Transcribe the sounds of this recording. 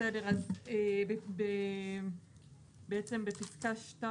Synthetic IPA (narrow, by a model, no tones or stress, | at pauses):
edeʁazebebe | beet͡se̞mbepiskaʃta